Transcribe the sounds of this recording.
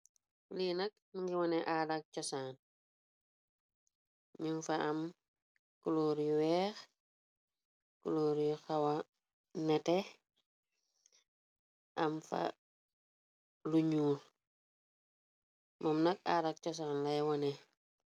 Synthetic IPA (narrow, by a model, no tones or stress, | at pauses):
linɐk̚niŋɡiwɔnɛʔaːdak̚cɔsaːn | ɲunfaam | kuloːɾjuwɛːx | kuloːɾjuxawa | nɛtɛ | ʔɐmfa̰ | luɲuːl | mɔmnɐka̰ːdak̚t͡ʃɔs̬aːnlɐjwɔnɛ